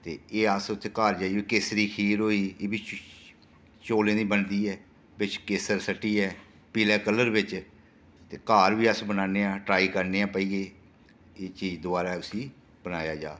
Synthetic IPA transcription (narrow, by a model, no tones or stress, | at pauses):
t̪ḛːeːəsʊt̪ʰːeːkaːɾd͡ʒaːiːbiːkeːsɾiːkʰiːɾɦoːiːeːbiː | t͡ʃoːlẽːd̪ĩːbənd̪iːɛː | bɪt͡ʃkeːsəɾsəʈːiːɛː | piːlɛːkələɾbɪt͡ʃ | t̪eːkaːɾʋiːəsbənaːneːãːʈɾaːiːkəɾneːãːpəiːɡeː | eːt͡ʃiːd͡ʒd̪ʊaːɾaːʊsiː | bənaːjaːd͡ʒa̰ː